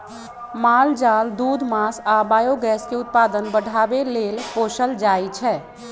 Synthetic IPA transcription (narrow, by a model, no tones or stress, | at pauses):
mald͡ʒald̪ud̪ʱmasabajoɡɛskeʊt̪̚pad̪ənbəɽ̤ʱabelelposəld͡ʒajt͡ʃʰɛː